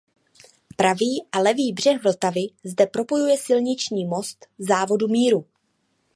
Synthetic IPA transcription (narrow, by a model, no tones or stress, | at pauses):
pɾaviːʔalɛviːbr̝ɛxvl̩t̪avɪzdɛpɾo̞po̞jujɛsɪlɲɪt͡ʃɲiːmo̞st̪zaːvo̞dumiːɾu